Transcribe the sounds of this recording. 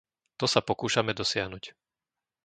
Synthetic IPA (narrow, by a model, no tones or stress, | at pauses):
t̪ɔsapɔkuːʃamɛd̪ɔsɪaɦnuc